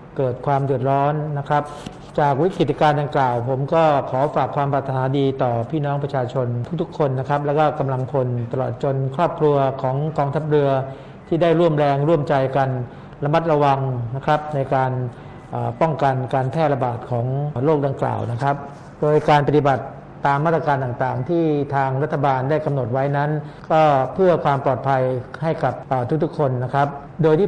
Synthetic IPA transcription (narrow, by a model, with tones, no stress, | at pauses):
kɤː˨˩t̪̚kʰwaː˧mdɯ˨˩ət̪̚ɾɔː˦˥nːa˦˥kʰɾa˦˥p̚ | t͡ɕaː˨˩k̚wi˦˥kɾi˨˩t̪̚ːi˧kaː˧nda˧ŋklaː˨˩wpʰo˩˦mkɔː˥˩kʰɔː˩˦faː˨˩kʰːwaː˧mpaː˨˩t̪ʰːa˧naː˩˦diː˧t̪ɔː˨˩pʰiː˥˩nɔː˦˥ŋpɾa˧t͡ɕʰaː˧t͡ɕʰo˧nt̪ʰu˦˥k̚t̪ʰu˦˥kʰːo˧nːa˦˥kʰɾa˦˥p̚lɛː˦˥wkɔː˥˩ka˧mla˧ŋpʰo˧nt̪a˧lɔ̰ː˨˩t̪̚t͡ɕo˧nkʰɾɔː˥˩p̚kʰɾu˧ɐkʰɔː˩˦ŋkɔː˧ŋt̪ʰa˦˥p̚ɾɯ˧ɐ | t̪ʰiː˥˩daː˥˩jɾu˥˩əmɾɛː˧ŋɾu˥˩əmt͡ɕa˧jka˧n | la˧mːa˦˥t̪̚ɾa˧wa˧ŋna˦˥kʰɾa˦˥p̚na˧jkaː˧n | ʔaː˨˩pɔ˥˩ŋka˧nkaː˧npʰɛː˥˩t̪̚la˧baː˨˩t̪̚kʰɔː˩˦ŋloː˥˩k̚da˧ŋkla̰ː˨˩wna˦˥kʰɾa˦˥p̚ | doː˧jkaː˧np̬a˧t̪i˨˩ba˨˩t̪ː | aː˧maː˥˩t̪ɾa˧kaː˧nt̪aː˨˩ŋt̪aː˨˩ŋt̪ʰiː˥˩t̪ʰaː˧ŋɾa˦˥t̪ʰːa˧baː˧nda˥˩jka˧mno˨˩t̪̚wa˦˥jna˦˥nkɔː˥˩pʰɯ˥˩ɐkʰwaː˧mpɔː˨˩t̪̚pʰa˧jha˥˩jka˨˩p̚ʔaː˨˩t̪ʰu˥k̚t̪ʰu˦˥kʰːo˧nːa˦˥kʰɾa˦˥p̚ | doː˧jt̪ʰiː˥˩